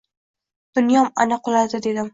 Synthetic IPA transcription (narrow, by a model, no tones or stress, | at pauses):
d̪̥ʊnjɒma̰naqʰʊlˠad̪ɪd̪e̞d̪ɪm